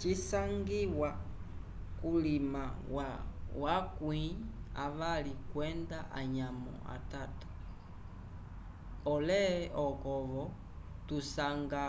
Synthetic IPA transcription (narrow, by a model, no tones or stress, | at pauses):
t͡ʃisaŋɡiwa | kulimawawakwiaʋalikwɛndaʔaɲamɔ̰a̰tatḁ | ɔlɛɔkɔβɔ | tusaŋɡa